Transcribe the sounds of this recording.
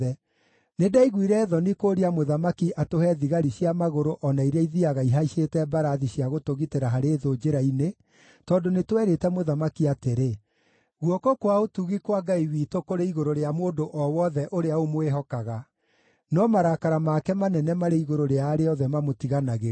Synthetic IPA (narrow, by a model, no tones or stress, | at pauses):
ɛ | nedaiɣwiɾɛːðɔnikoːɾiamoðamakiʔatohɛðiɣaɾiɕjamaɣoɾoʔɔnaiɾaiðiaɣaiɦaiʃetɛbaɾaðiɕiaɣotoɣiteɾaɦaɾeːðod͡ʒeɾaine | tɔndonetwɛɾetɛmoðamakiateɾe | ɣwɔkokwaotuɣikwaɡaiwiːtokoɾeiɣoɾoɾeamoːndoʔɔwɔðɛʔoɾeaomoweɦɔkaɣa | nɔmaɾakaɾamakɛmanɛnɛmaɾeiɣoɾoɾeaːɾeɔðɛmamotiɣanaɣe